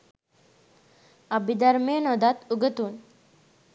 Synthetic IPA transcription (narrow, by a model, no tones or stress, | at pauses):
abid̪aɾmenɔd̪at̪uɡət̪uːn